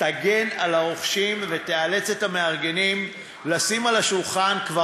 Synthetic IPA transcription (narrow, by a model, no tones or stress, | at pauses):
taɡe̞nalaʁoχʃimve̞t̪eale̞t͡se̞t̪ameaʁɡe̞nim | lasimalaʃulχankva